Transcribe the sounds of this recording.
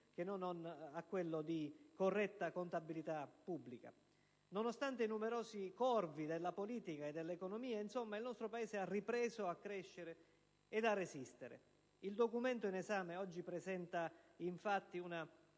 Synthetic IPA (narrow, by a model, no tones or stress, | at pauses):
k̟enːonːonakːwelːod̪ikorːɛt̪ːakont̪abilit̪apːubːlika̰ | nonost̪ant̪einumeɾoːsikɔrvid̪elːapoliːt̪ikaed̪ːelːekonomiːainsomːailnɔst̪ɾopaeːsearːipɾeːzoakːɾeʃːeɾeː | d̪arːezist̪eɾḛ | ild̪okument̪oinezaːmeɔd͡ʒːipɾezɛnt̪aiɱfat̪ːiuna